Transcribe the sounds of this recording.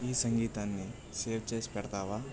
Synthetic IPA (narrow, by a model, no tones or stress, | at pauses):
iːsɐŋɡiːt̪aːnːi | seːpʰt͡ʃespɛɽt̪aːʋaː